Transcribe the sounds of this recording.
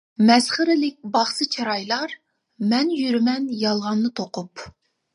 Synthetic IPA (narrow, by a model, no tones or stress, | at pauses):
mɛsχəɾɪlɪk̚ʲbɑχsɨt͡ʃʰɑɾɑjlˠɑɾ | mɛnjyɾymɛnjɑlˠʁɑnːɨt̪ʰoqʊp